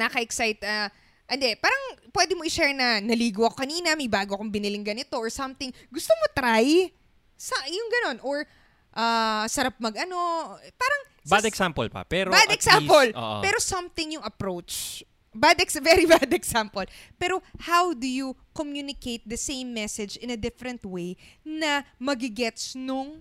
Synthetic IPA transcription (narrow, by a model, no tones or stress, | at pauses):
nɐkɐʔɛksajt̪ɐ | ʔɐnd̪ɛpaːɾɐŋpwɛd̪ɪmoʔɪʃɛɹnɐnɐliːɡʊɐkokɐniːnɐmɐjbaːɡoɐkʊŋbɪnɪlɪŋɡɐnɪt̪o̞ʔoɹsɐmt̪ɪŋɡʊst̪omot̪ɾaj | sɐjʊŋɡɐno̞nʔoɹ | ʔaːsɐɾap̚mɐɡɐno̞paːɾɐŋ | bad̪ɛksampo̰lpɐ̰pɛɾobadɛksampol̰ːʔpɛːɾo̞sɐmθɪŋjʊŋɐpɾowt͡ʃ | bad̪ɛkvɛɾibad̪ɛksampolpɛːɾo̞hawd̪ujukomjunɪkejt̪̚d̪ɐsẽjmːɛsɛd͡ʒɪ̃nɐd̪ɪfɛɾɛ̃nt̪̚wejnɐmɐɡɪɡɛt̪snʊŋ